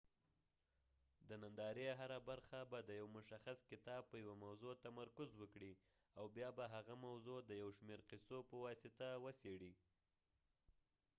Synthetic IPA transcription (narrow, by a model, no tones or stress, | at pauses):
d̪ənand̪ɑɾeɦaɾabaɾxabad̪əjawmʊʃaxaskɪt̪ɑb̚pəjawamawzot̪amaɾkʊzwəkɽi | awbjɑbaɦaɣamawzod̪əjawʃmeɾqɪsopəwɑsɪt̪awəseɽi